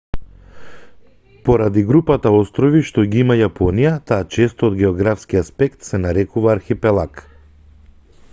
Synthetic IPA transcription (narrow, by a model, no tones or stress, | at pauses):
pɔɾad̪iɡɾupat̪aɔst̪ɾɔviʃt̪ɔɡiimajapɔnijat̪aːt͡ʃɛst̪ɔːd̪ɡɛɔɡɾafskiaspɛkt̪sɛnaɾɛkuvaːɾxipɛlˠak